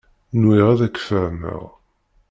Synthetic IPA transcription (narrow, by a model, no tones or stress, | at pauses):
nwiʁæðækːfəɾmə̰ʁ